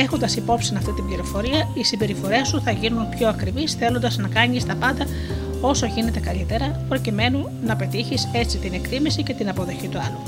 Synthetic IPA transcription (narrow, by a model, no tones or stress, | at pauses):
e̞xo̞nd̪ɐsipo̞psinɐft̪it̪ibliɾo̞fo̞ɾiɐisimbe̞ɾifo̞ɾe̞st̪uθɐʝinunpço̞ɐkɾivisθe̞lo̞nd̪ɐznɐkɐɲist̪ɐpɐnd̪ɐ | o̞so̞ʝine̞t̪e̞kɐʎit̪e̞ɾɐpɾo̞cime̞nu | nɐpe̞t̪içise̞t͡sit̪ine̞kt̪imisice̞t̪inɐpo̞ðo̞çit̪uɐlu